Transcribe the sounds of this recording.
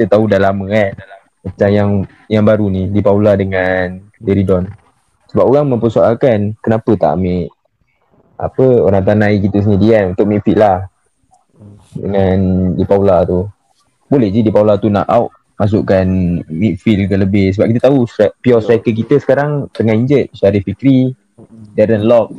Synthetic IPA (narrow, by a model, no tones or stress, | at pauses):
kit̪ət̪audalaməadalammat͡ʃamjaŋ | jaŋbaɾunidipauladəŋan | leɾidɔn | səbapoɾaŋmə̃mpəsualkankənapət̪a̰ʔmiʔ | ʔa̰pəoɾaŋt̪anaikit̪əsənidianunt̪ʊk̚mifiʔlah | dəŋandipaulat̪u | bolɛhd͡ʒidipaulat̪una̰ʔawʔ | mas̬ʊʔkanmit̚filkələbɪhsəbap̚kit̪ət̪ausaʔpiɔsɾakəkit̪əsə̥kaɾaŋt̪əŋaiɲd͡ʒət̪̚t͡ʃaɾihfikɾi | dɛɾənlɔk̚